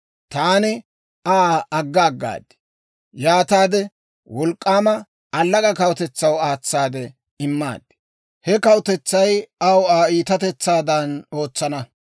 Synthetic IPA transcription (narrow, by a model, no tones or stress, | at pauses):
t̪aːnɪ | aːɐɡːaːɡːa̰ːd̪ɪ̥ | jaːt̪aːd̪ɛ | wɔlkʼːaːmɐ | ɐlːɐkʼɐkɐwt̪ɛt͡sːɐwaːt͡sːaːd̪ɛ | ɪmːa̰ːd̪ | hɛkɐwt̪ɛt͡sːɐjɐwaːiːt̪ɐt̪ɛt͡sːaːd̪ɐno̞ːt͡sːɐnɐ